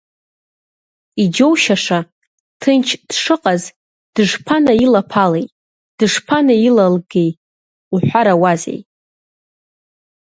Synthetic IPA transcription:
id͡ʒo̞wʃaʂa | tʰɨnt͡ʃʰd̥ʂɨqʼaz | d̥ɨʐpʰanailapʰalejtʼ | d̥ɨʂpʰanailalɡe̞j | uħʷaɾawazḛjtʼ

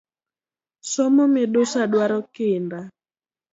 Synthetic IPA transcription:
somomɪdosadwaɾɔkɪnda

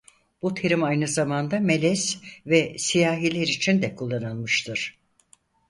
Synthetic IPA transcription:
b̥ut̪ʰeɾimajnɯzamand̪ame̞lʲɛsvɛsijaːɦilʲeɾit͡ʃʰind̪ɛkʰulˠːanɯlˠmɯʃt̪ʰɯɾ̥

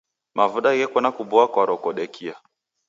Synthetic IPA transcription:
mavuɗaɣɛkɔnakubɔakwaɾɔkɔɗɛkʰia

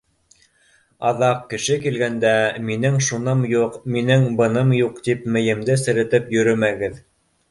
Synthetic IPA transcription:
ɑðɑqkːɘ̆ʃɘkilɡænd̪æminɘŋʃunɤmjuqminɘŋbɤ̆nɤmjuqt̪ipmɘ̆jɘ̆md̪ɘsɘ̆ɾɘ̆t̪ɘpjɵ̆ɾɵmæɡɘð

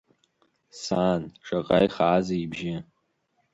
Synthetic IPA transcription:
saːnʈ͡ʂʰʼaqʼa̰jχaːzaibʒɪ

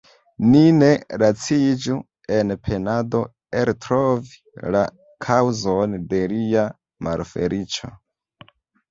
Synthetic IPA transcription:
nine̞ɾat͡sid͡ʒu | enpʰe̞nado̞ | eɾtɾovi̥ | la | kʰawzonde̞lia | ma̰lfḛɾit͡ʃo̰

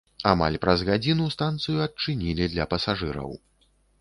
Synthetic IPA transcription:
ama̰lʲpɾɐzɣad͡zʲinust̪ant̪sɨjuɐt͡ʂɨnʲilʲid̪lʲɐpɐsaʐɨɾɐ̰w

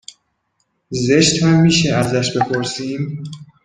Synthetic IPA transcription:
ze̞ʃt̪hæmːiːʃeæzæʃbe̞pʰo̞ɾsiːm

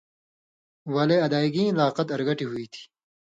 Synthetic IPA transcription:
wɐleɐd̪aːiɡĩlaːqɐt̪ɐɾɡɐʈiɦuit̪ʰi̥

